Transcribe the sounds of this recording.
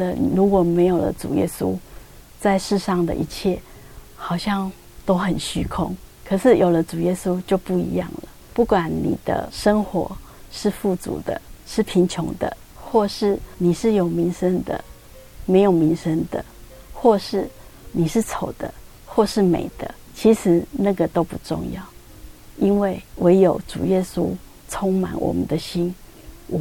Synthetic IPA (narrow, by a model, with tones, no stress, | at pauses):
ə˨i˨ɻu˧˦˥kwɔ˨˩me˧˥ɪjo˨˩lə̰˦ʈ͡ʂṵ˨˩jɛ̰˥su˦ | t͡sa˥˧ɪʂɻ̩˥˧ʂɑ˥˩ŋd̪ə̰˨ʔḭ˧˥t͡ɕʰjɛ˥˩ | xɑ˨˩ʊɕjɑ˥˩ŋ | t̪o˥ʊxə˨˩nɕy˥kʰʊ̰˦˥ŋkʰɤ˨˩ʂɻ̩˥˩jo˨˩lə˦t͡su˨˩jɛ˦˥su˦t͡ɕjo˥˧ʊpu˥˩ḭ˧˦jɑ̰˥˩ŋlə˩pu˥˩kwa˨˦nnḭ˨˩d̪̥ə̰˧˦ʂə˥ŋxwɔ̰˧˥ | ʂɻ̩˥˧fu˥˩t͡sṵ˨˥˦d̪ə̰˦ʂɻ̩˥˩pʰi˧˥nt͡ɕʰjʊ˧˥ŋd̪ə̰˨ | xwɔ˥˧ʂɻ̩˥˩ni˨˩ʂɻ̩˥˩jo˨˩ʊmi˧˥ŋʂə˥nd̪ə̰˨ | me˧ɪjo˨˩mi˧˥ŋʂə˥nd̪ə̰˨ | xwɔ˥˧ʂɻ̩˥˩ni˨˩ʂɻ̩˥˩t͡sʰo˨˩ʊd̪̥ə̰˦ | xwɔ˥˧ʂɻ̩˥˩mḛ˨˩ɪd̪̥ə˦ | t͡ɕʰi˧˥ʂɻ̩˧˥˦na˥˩ɡə˨t̪o˥ʊpṵ˧˩ʈ͡ʂʊ̰˥˧ŋjɑ̰˥˩ʊ | i˥nwe˥˩ɪwʔe˧˥ɪjo˨˩ʊʈ͡ʂṵ˨˩jɛ˦˥su˦ | t͡sʰo˥ŋma̰˨˩˦nwɔ̰˨˩mə̰˦nd̪ə˦ɕi˥n | w